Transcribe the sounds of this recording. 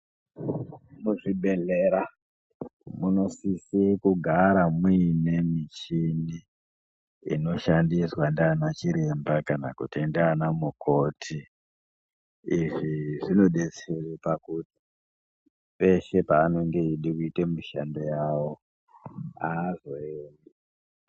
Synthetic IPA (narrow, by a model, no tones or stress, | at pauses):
muʐiɓe̞ɮe̞ɾa | muno̞sisiekuɡʱaɾamine̞mit͡ʃini | ḭno̞ʃandiswandaːnat͡ʃiɾe̞mbakana̰kutindaːnamukʰo̞ːtʰi | ʐiʐino̞ɗet͡serepakuti̥ | pe̞ʃe̞paːno̞ŋɡe̞iɗikuitemiʃa̰ndo̞jaːwo̞ | aːzo̞eni